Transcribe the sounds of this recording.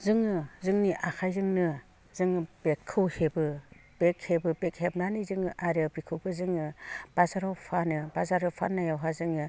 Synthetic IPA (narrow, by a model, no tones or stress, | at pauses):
zɯŋɯzɯŋniʔakʰajzɯŋnɯ | zɯŋɯb̥ekʰːɯwhebɯb̥ek̚hebɯbek̚hepnanizɯŋɯʔaɾabikʰɯwbɯzɯŋɯb̥azaɾawpʰanɯbazaɾawpʰa̰nːajawɦazɯŋɯ